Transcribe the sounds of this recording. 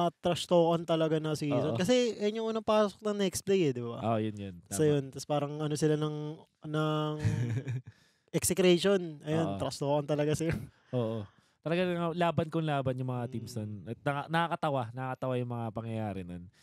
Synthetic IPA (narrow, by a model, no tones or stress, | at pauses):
ɐt̪ɾɐst̪oːʔɐnt̪ɐlɐɡanɐsɪiːsokːɐs̬ɛʔɲoŋʔunɐpaːssok̚nɐŋnɛksplejɛd̪ɪbaʔojonjonsɐjont̪ɐspaːɾɐŋʔɐnosɪlanɐŋ | nɐŋ | ʔɛksɛkɾɛʃo̞nʔɐjont̪ɾɐst̪oːʔɐnt̪ɐlɐɡasɐjo | ʔoːʔo | t̪ɐlɐɡaŋɐlaːbɐnkoŋlaːbɐnjʊmɐŋat̪imsonɐt̪̚nɐanɐkɐkɐt̪ɐwanɐkɐt̪ɐwajʊŋmɐŋapɐŋjɐjaːɾɛnon